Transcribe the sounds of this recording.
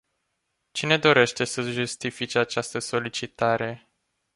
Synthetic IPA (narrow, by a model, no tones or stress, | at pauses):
t͡ʃine̞d̪o̞ɾe̞ʃt̪e̞səʒust̪ifit͡ʃeat͡ʃast̪əso̞lit͡ʃit̪aɾe̞